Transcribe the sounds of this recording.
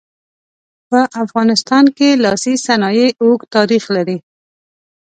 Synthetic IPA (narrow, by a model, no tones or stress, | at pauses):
pəʔafɣɑnɪst̪ɑnkelɑsisanɑjeokt̪ɑɾixlaɾi